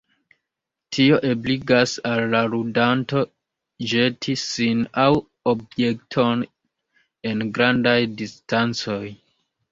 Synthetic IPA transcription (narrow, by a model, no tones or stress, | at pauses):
tʰio̞ʔebliɡasalːaɾudanto̞ | d͡ʒe̞tʰisinaw | ob̚je̞k̚tʰo̞n | e̞nɡɾandajdistant͡so̞j